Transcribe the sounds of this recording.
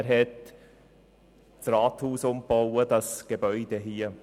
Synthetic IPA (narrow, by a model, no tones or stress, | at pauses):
ɾɦɛt | t͡srɑːthuːsʊmpowədɑsɡ̥ebœʏd̥eɦiːə